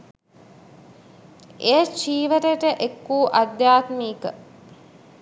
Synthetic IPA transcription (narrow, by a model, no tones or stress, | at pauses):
ejət͡ʃiːʋəɾeʈəʔekːuːʔad̪jaːt̪miːkə